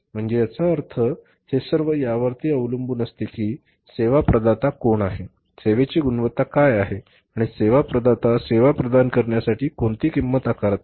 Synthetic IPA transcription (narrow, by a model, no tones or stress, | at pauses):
m̤əɳd͡zejat͡saəɾt̪ʰə | hesəɾʋəjaʋəɾt̪iːəʋləmbuːnəst̪ekiː | seʋapɾəd̪at̪akoɳaɦe | seʋet͡ɕiːɡunʋət̪ːakajaɦe | aɽ̃iseʋapɾəd̪at̪aseʋapɾəd̪ankəɾɳjasaʈiːkoɳt̪iːkimːət̪akaɾət̪